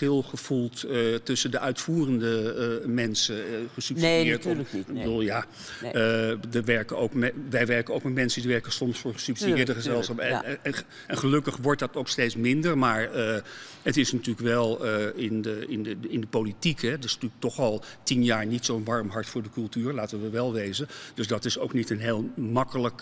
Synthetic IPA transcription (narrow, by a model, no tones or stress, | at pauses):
ɪlˠχəv̥ulˠtətɵsəndəʔœɥtfuːrəndəmɛnsəχəsɵpsiɪːɹtibəduːlˠjaː | dəʋɛɹkənowkmɛʋɛjʋɛɹkənowkmɛtmɛnsədiʋɛɹkənsɔmsfʊːɹχəsɵpsidɪːɹdəχəzɛlˠsχɑp | ɛnχəlɵkəχʋɔɹt̚dɑtowkstejtsmɪndəɹmaːɹə | ətɪsnətyːləkʋɛlˠəɪnəɪnəɪndəpowlitikɦɛtɪsnətyːlək̚tɔχɑlˠtinjaːɹnitsownʋɑɹmɦɑɹtfʊːɹdəkɵlˠtyːɹlaːtəʋəʋɛlˠʋejzəd̥ɵsdɑtɪsowknitənɦeːlˠmɑkələk